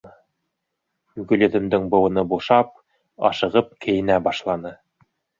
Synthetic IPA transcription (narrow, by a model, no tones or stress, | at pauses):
ɡɵ̆lɵ̆ðɘ̆md̪ɘŋbɤ̆wɤ̆nɤbuʃɑp̚ | ɑ̰ʃɤ̆ʁɤp̚kɘ̆jɘ̆næbɑʃlˠɑnɤ